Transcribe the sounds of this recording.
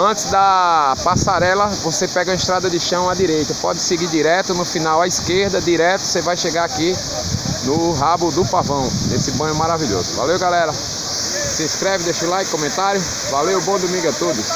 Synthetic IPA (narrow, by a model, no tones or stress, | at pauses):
ɐ̃t̪ɪzd̪ɐpasaɾɛlɐvosepɛɡɐɐɪ̃ʃt̪ɾad̪ɐd̪ɪʃɐ̃w̃ad̪iɾejt̪ɐpɔd̪ɪsɪɡid̪iɾɛt̪ʊnʊfinawaiskeɾd̪ɐd̪iɾɛt̪ʊ̥sevajʃeɡaaki | nʊɦabʊd̪ʊpavɐ̃w̃nesɪbɐ̃nʊmaɾaviʎo̰zʊva̰lewɡalɛɾɐ | sɪĩskɾɛvɪd̪eʃʊlajk̚kːõmẽnt̪aɾjʊ | valewbõd̪omĩŋɡʊat̪od̪ʊs